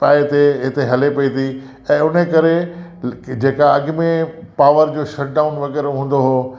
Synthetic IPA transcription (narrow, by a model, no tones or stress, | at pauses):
paːet̪eɦɪt̪eɦɐlepɐit̪ʰi | ɛ̃ːʊn̤əkɐɾe | d͡ʑeːkaɐɠmẽpaːʋəɾd͡ʑoːʃɐʈ̚ɖaːʊnʋɐɣɛːɾoɦũːn̆d̪oɦoː